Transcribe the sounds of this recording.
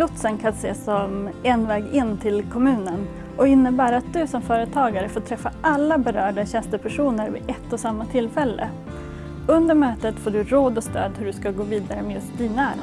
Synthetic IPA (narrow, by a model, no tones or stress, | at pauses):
lʊt̪sənkʰanseːsɔmɛnvɛːɡɪnːt̪ʰɪlkʰɔmʉ̟ːnən | ʔɔɪnːəbæːɾat̪̚d̪ɵsɔmfœːɾət̪ʰɑːɡaɾəfoːʈ̪ʰɾɛfːaʔalːabɛɾœːɖaɕɛnst̪əpʰæʂuːnəɾvɪ̰ʔɛt̪ːɔsamːat̪ʰɪlːfɛlːə̰ | ɵnd̪əɾmøːt̪ət̪foːɖɵɾoːd̪ɔst̪ø̰ːd̪hɵɖɵskaɡoːviːd̪aɾəmɛjɵst̪̚d̪iːnaæːɾ